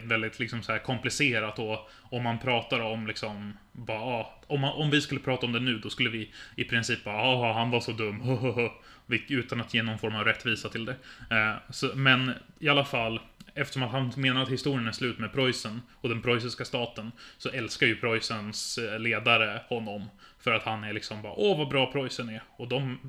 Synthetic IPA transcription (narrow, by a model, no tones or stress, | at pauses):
vɛld̪ɪt̪ʰlɪksɔmsɔhæːɾkʰɔmplɪseːɾat̪ɔ | ɔmhanpʰɾɑːt̪aɾɔmlɪksɔm | bɑːɾaɑ | ɔmaʔɔmvɪskɵlːəpʰɾɑːt̪aɔmd̪ɛnʉ̟ːd̪ɔskɵlːəvɪɪpʰɾɪnsiːp̚bɑːɾaɑhanvaʂɔd̪ɵmːhoɦɦ | vɪʉ̟ːt̪anat̪jeːnɔnfɔɾmavɾɛt̪ːviːsat̪ʰɪld̪ɛ | sɔmɛnɪalːafalːɛft̪əʂɔmat̪hanmeːnaɾat̪hɪst̪uːɾɪənɛslʉ̟ːt̪mɛpʰɾɔjsən | ɔd̪ɛnpʰɾɔjs̬ɪskast̪ɑːt̪ənsɔʔɛlskaɾjɵpʰɾɔjsənsleːd̪aɾəhɔnːɔmfœɾat̪hanæɭɪksɔmbɑ̰ːɾaʔɔvabɾɑːpʰɾɔjsənæɾɔd̪ɔm